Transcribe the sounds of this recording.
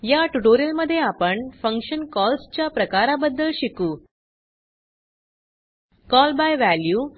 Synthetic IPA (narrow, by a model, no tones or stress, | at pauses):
jaʈuʈoɾijəlməd̪ʱːjeapəɳfəŋkɕənkɔlst͡ɕjapɾəkaɾabəd̪ːəlɕikuː | kɔlbajʋæljuː